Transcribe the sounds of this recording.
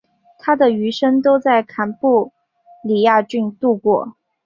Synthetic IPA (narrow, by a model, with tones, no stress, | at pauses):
t̪ʰa˥d̪ə˨y˧˥ʂə˥nt̪o˥ʊt͡sa˥˩ɪkʰa˧˥npu˥˩ | li˨˩ja˥˧t͡ɕy˥˧nt̪u˥˧kwɔ˥˩